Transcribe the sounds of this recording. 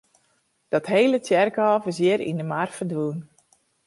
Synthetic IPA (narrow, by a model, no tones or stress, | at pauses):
d̥ɔtɦejlətjɛrkɔːvəsjɪəɾḭndəmarfədʋuːn